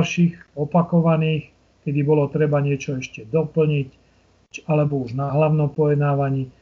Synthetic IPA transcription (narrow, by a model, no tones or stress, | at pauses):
lʃiɣɔpakɔʋaniːx | kɛd̪ibɔlɔt̪ɾɛbaɲɪɛt͡ʃɔɛʃcɛd̪ɔpl̩ɲic | t͡ʃalɛbɔuʒnaɦlaʊnɔmpɔjɛd̪naːʋaɲiː